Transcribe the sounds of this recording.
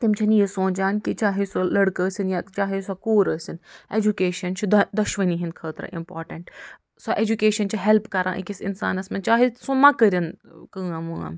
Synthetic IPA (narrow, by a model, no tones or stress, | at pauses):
t̪imt͡ʃʰɐnjisõːnd͡ʒaːnkit͡ʃaːɦisolɐɽkəːsinjat͡ʃaːɦesokoːɾəːsʲined͡ʒukeːʃɐnt͡ʃʰid̪d̪ɐʃʋɐniɦinkʰəːt̪ɾɐ̰ʔḭmpo̰ːɾʈɐɳʈ | soʔed͡ʒukeːʃɐnt͡ʃʰiɦelpʰkɐɾã̰ːʔḭkisinsa̰ːnɐsmɐnt͡ʃaːɦisõmɐkəɾʲɐnkəamua̰m